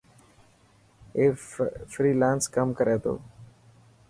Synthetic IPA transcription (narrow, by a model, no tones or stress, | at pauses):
eːfɾiːlãːnskəmkəɾʔeːt̪ʰo̰ː